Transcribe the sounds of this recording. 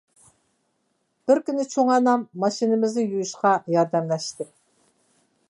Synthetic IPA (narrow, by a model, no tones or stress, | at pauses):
b̥ɪɾkʲynɪt͡ʃʰoŋɑnɑmːɑʃinɪmɪznɪjujuʃqɑjɑɾd̪ɛmlɛʃt̪ɪ